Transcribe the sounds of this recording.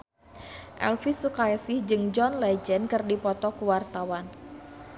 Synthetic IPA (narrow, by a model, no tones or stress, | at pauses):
ʔɛ̰lfisukajasɪhd͡ʒɨŋd͡ʒɔnlɛd͡ʒənkɨrdipɔt̪ɔkuwart̪awan